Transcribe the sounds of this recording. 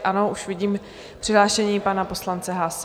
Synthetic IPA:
ʔano̞ʔuʃvɪɟiːm | pr̥ɪɦlaːʃɛɲiːpanapo̞slant͡sɛɦlas

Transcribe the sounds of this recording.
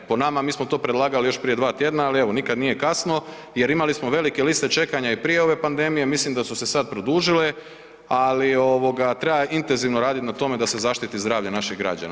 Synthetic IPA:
ponamamiːsmot̪o̞ːpɾe̞d̪laːɡalijo̞ʃpɾije̞d̪ʋaːt̪je̞d̪naalieʋo̞nikad̪nije̞kasno̞ | je̞ɾimalismoʋe̞like̞list̪e̞t͡ʃe̞kaɲaipɾije̞o̞ʋe̞pand̪e̞mije̞mislimd̪asuse̞sad̪̚pɾo̞d̪uːʒile̞ | alio̞ʋo̞ɡat̪ɾebaint̪enziʋnoɾaːd̪it̪nat̪o̞me̞d̪ase̞zaʃt̪it̪izd̪ɾaːʋʎenaʃiɣɡɾa̰d͡ʑa̰n

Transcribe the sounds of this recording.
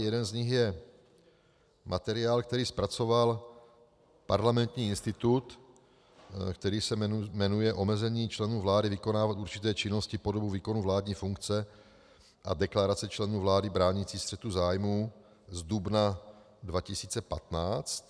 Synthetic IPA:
jɛdɛnzɲɪxjɛ | mʔat̪ɛɾɪaːlk̚t̪ɛɾiːspɾat͡so̞val | paɾlamɛnt̪ɲiːɪnst̪ɪt̪ut̪ | kt̪ɛɾiːsɛmɛnujɛʔo̞mɛzɛɲiːt͡ʃlɛnuːvlaːdɪvɪko̞naːvat̪uɾt͡ʃɪt̪ɛːt͡ʃɪnoscɪpo̞dobuviːko̞nuvlaːd̪ɲiːfuŋkt͡sɛ | ʔa̰dɛklaɾat͡sɛt͡ʃlɛnuːvlaːdɪbɾaːɲit͡siːst̪r̥ɛt̪uzaːjmuː | zdubna | dvacɪsiːt͡sɛpat̪naːt͡st̪

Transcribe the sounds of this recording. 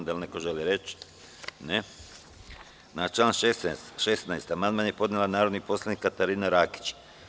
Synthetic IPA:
d̪alnekoʒeliɾet͡ʃ | ne | nat͡ʃlaːnʃeʃesnajst̪amanmanjepo̞d̪nelˠanaːɾod̪niposlˠanikːat̪aɾiːnaɾaːki̥t͡ʃ

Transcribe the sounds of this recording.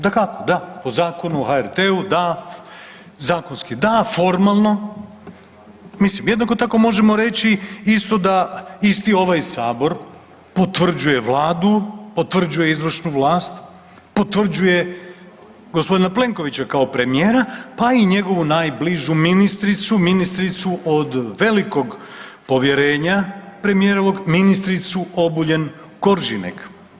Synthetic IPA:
d̪akako̞d̪apo̞zaːko̞nuoxaeɾt̪eud̪a | zaːko̞nskid̪afo̞ɾmalˠno̞ | mislimjed̪nakot̪ako̞mo̞ʒe̞mo̞ɾe̞t͡ɕiist̪o̞d̪aist̪io̞ʋajsaːbo̞ɾ | po̞t̪ʋr̩d͡ʑuje̞ʋlˠaːd̪upo̞t̪ʋr̩d͡ʒuje̞izʋr̩ʃnuʋlˠaːst̪ | po̞t̪ʋr̩d͡ʑuje̞ | ɡospo̞d̪inaplˠe̞ŋko̞ʋit͡ɕakaopɾe̞mijeːɾapaiɲe̞ɡo̞ʋunaːjbliʒuminist̪ɾit̪suminist̪ɾit̪suʔod̪ʋe̞liko̞ɡ | po̞ʋje̞ɾe̞ːɲapɾe̞mijeːɾoʋo̞ɡminist̪ɾit̪suo̞buʎe̞n | koɾʒinḛk

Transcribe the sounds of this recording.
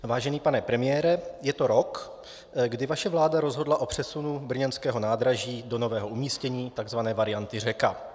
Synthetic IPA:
vaːʒɛniːpanɛpɾɛmɪjɛːɾɛjɛt̪o̞ɾo̞k | ɡdɪvaʃɛvlaːdaɾo̞zɦo̞dlaʔo̞pr̝̥ɛsunubr̩ɲɛnskɛːɦo̞naːd̪ɾaʒiːdo̞no̞vɛːɦo̞ʔumiːscɛɲiːt̪aɡzvanɛːvaɾɪjant̪ɪr̝ɛka

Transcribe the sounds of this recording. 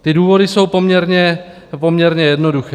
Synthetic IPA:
t̪ɪduːvo̞dɪso̞wpo̞mɲɛɾɲɛ | po̞mɲɛɾɲɛjɛdnoduxɛ

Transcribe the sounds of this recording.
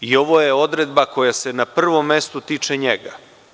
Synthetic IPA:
io̞ʋo̞jeo̞d̪ɾed̪bako̞jase̞napr̩ʋo̞mːe̞st̪ut̪iːt͡ʂeɲeɡa

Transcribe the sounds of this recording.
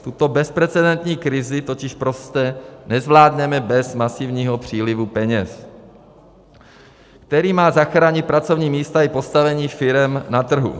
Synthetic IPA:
t̪ut̪o̞bɛspɾɛt͡sɛdɛnt̪ɲiːkɾɪzɪt̪o̞cɪʃpɾo̞st̪ɛnɛzvlaːdɲɛmɛbɛzmasɪvɲiːɦo̞pr̝̥iːlɪvupɛɲɛs | kt̪ɛɾiːmaːzaxɾaːɲɪt̪̚pɾat͡so̞vɲiːmiːst̪aɪpo̞st̪avɛɲiːfɪɾɛmnat̪r̩ɦṵ

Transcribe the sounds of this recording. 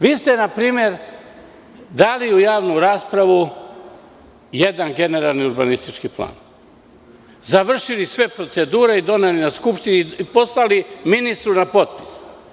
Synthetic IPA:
ʋiːst̪e̞napɾiːmje̞ɾ | d̪aːliujaːʋnuɾaːspɾaʋu | jed̪anɡe̞ne̞ɾalˠniuɾbanist̪it͡ʃkiplˠa̰ːn | zaʋr̩ʃilisʋe̞pɾo̞t̪se̞d̪uːɾe̞id̪o̞nelinaskupʃt̪iniipo̞slaliminist̪ɾunapo̞t̪̚pi̥s

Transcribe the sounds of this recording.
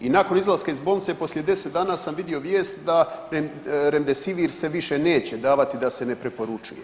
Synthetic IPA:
inako̞nizlˠaskaizbolnit̪se̞po̞sljed̪e̞set̪d̪aːnaːsamʋid̪io̞ʋje̞ːst̪d̪aɾeɾemd̪e̞siʋiːɾse̞ʋiʃe̞ne̞ːt͡ɕe̞d̪aːʋat̪id̪ase̞ne̞pɾepo̞ɾut͡ʃuje

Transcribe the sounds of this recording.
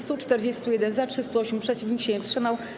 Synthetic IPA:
st̪ut͡ʂt̪ɛɾd͡ʑest̪ujɛd̪ɛnzatʂɘst̪uɔɕmpʂɛt͡ɕivɲikɕeɛfstʂɘmaw

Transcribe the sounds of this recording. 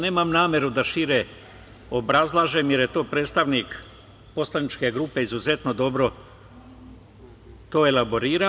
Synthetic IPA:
ne̞ːmamnaːmje̞ɾud̪aʃiɾe | o̞bɾazlˠaʒemjeɾjet̪o̞ːpɾe̞ːt̪st̪aʋnik | po̞slˠanit͡ʃke̞ɡɾuːpe̞izuze̞t̪no̞d̪o̞bɾo̞ | t̪o̞ːelabo̞ɾiːɾa

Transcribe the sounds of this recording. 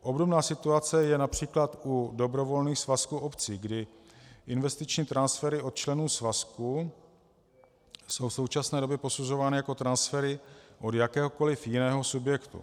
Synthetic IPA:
ʔo̞bdobnaːsɪt̪uat͡sɛjɛnapr̝̥iːklat̪udo̞bɾo̞vo̞lniːxsvaskuʔopt͡siːɡdɪ | ʔɪnvɛst̪ɪt͡ʃɲiːt̪ɾansfɛɾɪʔo̞t̪̚t͡ʃlɛnuːsvasku | so̞wfso̞wt͡ʃasnɛːdo̞bjɛpo̞suzo̞vaːnɪjako̞t̪ɾansfɛɾɪʔo̞djakɛːɦo̞ko̞lɪfjɪnɛːɦo̞subjɛkt̪ṵ

